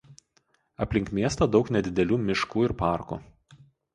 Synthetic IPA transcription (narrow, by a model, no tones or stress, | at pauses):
ɐpʲlʲɪŋkmʲiɛst̪ɐd̪ɒʊknʲɛd̪ʲɪd̪ʲɛlʲuːmʲɪʃkuːɪɾpɑˑɾkṵ